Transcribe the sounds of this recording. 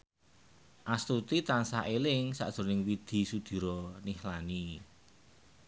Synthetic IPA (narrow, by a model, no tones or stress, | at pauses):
ʔast̪ut̪it̪ansaʔelɪŋsa̰ʔd̥ʒ̥ṳnɪŋwid̪̥i̤sud̪̥i̤ɾɔnihlani